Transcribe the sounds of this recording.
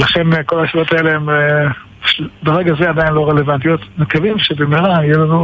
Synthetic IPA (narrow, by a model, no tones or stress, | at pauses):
laχe̞nko̞laʃaot̪aeleeme | bʃbeʁe̞ɡazead̪ainlo̞ʁe̞levant̪ijo̞t̪mekavimʃebemiʁaijelanu